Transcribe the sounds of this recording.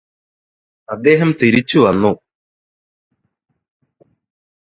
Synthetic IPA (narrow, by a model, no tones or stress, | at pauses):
ɐd̪ːe̞ːɦɐmt̪iɾit͡ɕːuʋɐnːu